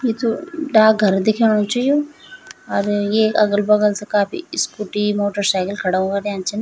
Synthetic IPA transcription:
jet̪oɖaːɡʱɐɾd̪ekʰeɽ̃ot͡ʃɐio | ɐɾjeɐɡəlbɐɡəlsekaːpḭskuʈimoːʈəɾsaːkəlkʰɐɽaõɡaɾjãːnt͡ʃʰen

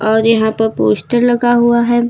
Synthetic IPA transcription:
ɔːɾjɐɦãpɐɾpoːsʈəɾlɐɡaɦuaɦɛː

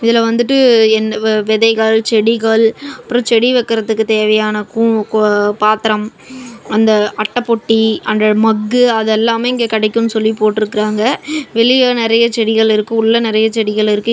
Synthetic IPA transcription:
ɪðɪlɐʋɐnd̪ɯʈ̬ːɯɛnːʋɛðɐɪɣɐɭt͡ʃɛɽɪɣɐɭɐpːɯɾõt͡ʃɛɽiʋɛkːɪɾɐðɯkːɯt̪eːʋɐjaːnɐku | paːt̪ɪɾɐm | ɐnd̪ɐʔɐʈːɐpːɔʈːiɐndrɐmɐɡːɯɐðɛlːaːmeɪŋɡeːkɐɽɛɪkːɯmnːɯsɔlːipoːʈːɪɾɯkːɪɾaːŋɡɐʋɛɭɪjaːnɪɾɐjɐt͡ʃɛɽɪɣɐɭɪɾɯkːɯ̃ʊɭːɐnɪɾɐjɐt͡ʃɛɽɪɣɐɭɪɾɯkːɯ

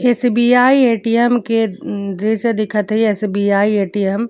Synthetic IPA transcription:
esbiːaːieːʈijəmked͡ʒ̪eːʃd̪ɪkʰət̪ɦieːsbiːaːieːʈijəm

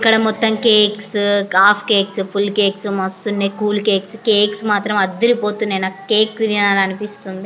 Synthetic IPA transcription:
ikːɐɽɐmɔt̪ːɐmkeːkskaːpʰkeːkspʰulkeːksmɐst̪unːeːkuːlkeːkskeːksmaːt̪ɾɐmɐd̪ːiɾipoːt̪unːejnakeːk̪̚iɾinaːlɐnipist̪und̪i

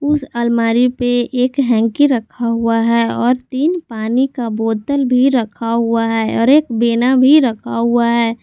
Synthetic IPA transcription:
ʊsəlmaːɾipeʔeːkɦɛ̃ːŋkiɾəkʰaɦuaɦɛɔːɾt̪iːnpaːnikaboːt̪əlbʱiɾəkʰaɦuaɦɛːɔːɾeːkbenabʱiɾəkʰaɦuaɦɛː

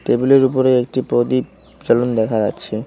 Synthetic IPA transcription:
ʈebuleɾupoɾeek̚ʈipɾod̪i | t͡ɕalond̪ɛkʰaɾa̰t͡ɕʰe

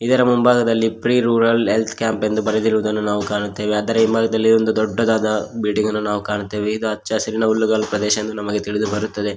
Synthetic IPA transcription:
it̪ɐɾɐmumbʱaːɡɐd̪ɐlːipɾiːɾuːɾɐlɦelt̪ʰkjaːmpe̞nd̪ubɐɾed̪iɾʋud̪ɐnːunaːʋukaːɳut̪ːeːʋeaːd̪ɐɾeumbʱaːɡɐd̪ɐlːiond̪ud̪ɔɖːɐd̪aːd̪ɐbiːʈiŋɡɐnːunaːʋukaːɳut̪ːeːʋeid̪uɐt͡ʃːt͡ʃɐsɐɾinɐulːuɡaːlupɾɐd̪ɛːʃɐɐnd̪unɐmɐɡe̞t̪iɭid̪ubɐɾut̪ːɐd̪e̞

